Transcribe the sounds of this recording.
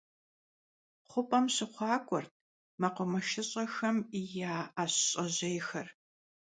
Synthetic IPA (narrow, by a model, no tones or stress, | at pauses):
χʷʊpʼɐmɕɪχʷɑːkʷʼɔrt̚ʰ | mɐqʷʊmɐʃɪɕʼɐxɐmijaːɕɕʼɐʑejxɐr